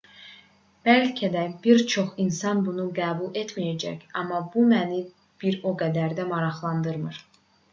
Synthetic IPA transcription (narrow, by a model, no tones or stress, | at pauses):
b̥ælcʰæd̪æbiɾt͡ʃʰo̞χinsɑnbunuɡæːbulˠe̞t̪mijæd͡ʒæ̰çɑmːɑbumæni | b̥iɾo̞ɡæd̪æɾd̪æmɑɾɑχlˠɑnd̪ɯɾmɯɾ̥